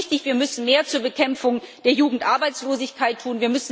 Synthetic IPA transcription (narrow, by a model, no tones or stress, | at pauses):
çtɪçv̥iːɐmʏsn̩meːɐt͡suːɐbəkʰɛmfʊŋd̥eːɐjuːɡŋ̩tʔaɐbaɪt͡sloːzɪçkʰaɪtʰːuːnviːɐmʏsn